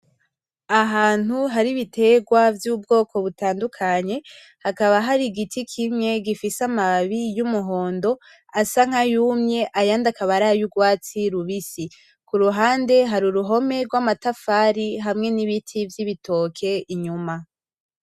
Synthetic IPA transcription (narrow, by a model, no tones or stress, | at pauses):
aɦaːn̥huɦaɾiβitʰe̞ɡwavjuːbɡo̞ːko̞βutaːndukʰaɲe̞ | hakaβaɦaɾiɡitʰikʰimŋe̞ɡifisamaβijumuɦo̞ːndo̞ | asaŋ̥ajumɲe̞ʔajaːndakaβaɾaːjuɡwaːt͡siɾuβisi | kuɾuɦaːnde̞ɦaɾuɾuɦo̞me̞ɾɡwamatafaːɾiɦamŋe̞niβitʰivjiβitʰo̞kʰe̞iɲuma